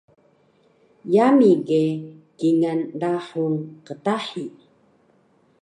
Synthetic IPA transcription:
jamiɡekiŋandaħunqətaħi

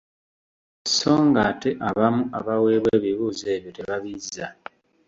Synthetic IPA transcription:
so̞ːŋɡate̞ʔaβamuaβawe̞ːβweːβiβuːze̞ːβjote̞βaβizːa̰

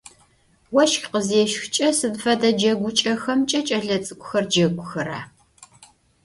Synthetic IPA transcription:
wɐʃxqəzeːʃxt͡ʃʼɐsɨdfɐdɐd͡ʒɐɡʷʊt͡ʃʼɐxɐmt͡ʃʼɐt͡ʃʼɐɮɐt͡sʼɨkʷʼʊxɐrd͡ʒɐɡʷʊxɐɾa̰ː

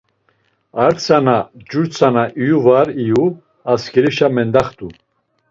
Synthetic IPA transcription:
aɾt͡sʰanad͡ʒuɾt͡sʰanaʔijuvaɾiju | askɛɾiʃamɛnd̪aχt̪u

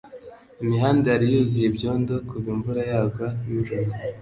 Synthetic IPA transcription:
imiɦaːndeaɾijuzijebɟo̞ːndokʰuβumvuɾajaːɡajuʒuɾa

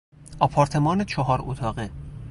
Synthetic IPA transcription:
ʔɒpʰɒːɾt̪ʰemɒːnet͡ʃʰɒɦɒːɾot̪ʰɒːɢe

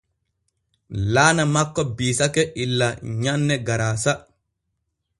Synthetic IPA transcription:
laːnamakːɔbiːsakɛʔilːaɲanːɛɡaɾaːsa

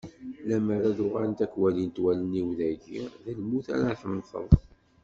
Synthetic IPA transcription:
læməɾaðʊʁaɾnt̪ækwælint̪wæləniwðæʝiðælmuθæ̰ɾaħəmnθə̰ðˤ

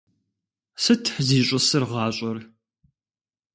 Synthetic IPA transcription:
sɨtʰħziːɕʼʊsɨrʁɑːɕʷʼɐr

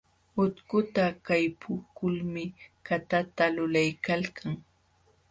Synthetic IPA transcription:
ʊt̪kʊt̪akajpʰʊkʊlmɪkat̪at̪alʊlajkalkʰaŋ

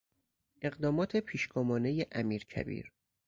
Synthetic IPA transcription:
ʔe̞ɣd̪ɒːmɒːt̪ʰe̞pʰiːʃɡomɒːne̞jeʔæmiːɾcʰæ̰bḭːɾ

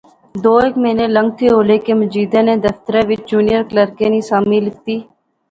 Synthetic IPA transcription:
d̪oːekmẽːnẽːlə̃ŋɡ̚t̪ʰeːɦoːleːkeːməd͡ʒiːd̪ẽːnẽːd̪əft̪əɾɛ̃ːʋɪt͡ʃd͡ʒuːnɪjəɾkləɾkẽːnĩːsaːmiːlːɪk̚t̪iː

